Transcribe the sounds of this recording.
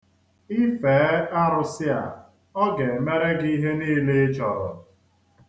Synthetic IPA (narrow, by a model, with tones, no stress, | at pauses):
i˦feː˨˦a˦ɾʊ˦sɪ˦a̰˨ | ɔ˦ɡe˨me˦ɾe˦ɡi˦ɦe˦niː˦le˦t͡ʃɔ˨ɾɔ̰˨